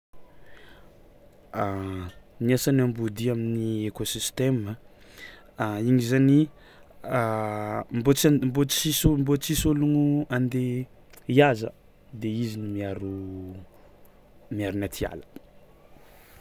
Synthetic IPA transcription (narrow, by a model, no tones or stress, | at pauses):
a | niasanambud̪iaminiekosist̪emə | iɲizani | mbombot͡sisombot͡sisoluŋuand̪e | iazə̰ | d̪eizinimaɾu | miaɾunat̪ʰia̰lə̥